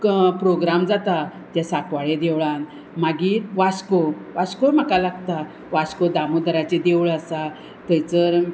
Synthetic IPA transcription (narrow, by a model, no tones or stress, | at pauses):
kpɾoɡɾamd͡zat̪at̪jasakʋaɭed̪eʋɭãn | maɡiːɾʋaskoʋaskom̤akalaɡt̪a | ʋaskod̪amud̪əɾat͡ɕed̪eʋɭəsa | t̪əjt͡səɾ